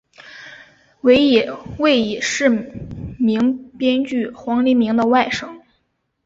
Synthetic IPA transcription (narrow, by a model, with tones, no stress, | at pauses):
we˧˥ɪi˨˩we˥˩ɪi˨˩ʂɻ̩˥˩mi˧˥ŋpjɛ˥nt͡ɕy˥˩xwɑ˧˥ŋli˧˥mi˧˥ŋd̪ə˧wa˥˩ɪʂɤ˥ŋ